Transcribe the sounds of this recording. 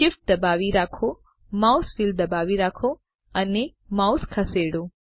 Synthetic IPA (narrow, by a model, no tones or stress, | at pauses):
ʃɪfʈ̚d̪əbaʋiɾakʰo | mawsfild̪əbaʋiɾakʰo | əne | mawskʰəseɽo